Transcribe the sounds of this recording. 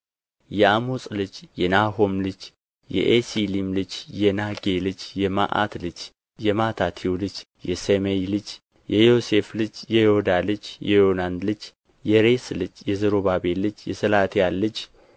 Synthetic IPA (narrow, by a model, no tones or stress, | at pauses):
jɛamosʼlɨd͡ʒjɛnaɦo̞mlɨd͡ʒ | jɛ̰ʔesilimlɨd͡ʒjɛnaɡelɨd͡ʒjɛma̰ʔa̰t̪lɨd͡ʒ | jɛmat̪ʰat̪ʰiulɨd͡ʒ | jɛsemelɨd͡ʒ | jɛjo̞se̞flɨd͡ʒjɛjood̪alɨd͡ʒjɛjo̞nand̪lɨd͡ʒ | jɛɾe̞slɨd͡ʒjɛzəɾoβabelːɨt͡ʃːjɛsəlat̪ʰijalːɨd͡ʒ